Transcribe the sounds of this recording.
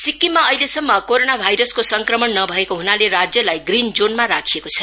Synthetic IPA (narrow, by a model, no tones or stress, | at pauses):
sikːimːaʌjlesʌmːʌkoɾonabʱajɾʌskosʌŋkrʌmʌnnʌbʱʌekoɦunaleɾad͡zjʌlajɡrind͡zonmaɾakʰijekot͡sʰʌ̥